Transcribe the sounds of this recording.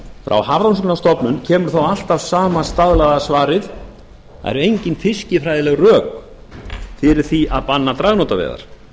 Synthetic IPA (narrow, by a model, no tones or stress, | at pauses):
fɾʔa̰whavɾawnsknast̪ɔpnʏncʰɛːmʏɾ̥θowal̥t̪avsaːmast̪aðlaɣðasvaːɾɪθ | a̰ɛ̰ɾʏejɲcɪnfɪscɪfɾajðɪlɛɣrœːk | fɪːɾɪɾ̥θiaðpanːat̪ɾaɣnɔt̪avɛ̰ɣða̰ɾ̥